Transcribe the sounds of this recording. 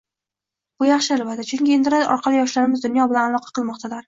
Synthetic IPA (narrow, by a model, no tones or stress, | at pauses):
b̥ʊjɑχʃɪalvat̪at͡ʃʰʊŋkʲɪend̪ɪɾaʔɒ̰ɾqʰɑlˠijɒʃlaɾɪmɪzd̪ʊnjɒbɪlanalˠɒqʰɑ̥qʰɨlˠmɒqt̪ʰalaɾ